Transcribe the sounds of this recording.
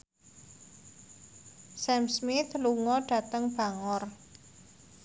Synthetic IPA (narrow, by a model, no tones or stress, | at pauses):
sɛmsmɪt̪luŋɔɖ̥ä̤t̪əŋb̥a̤ŋɔr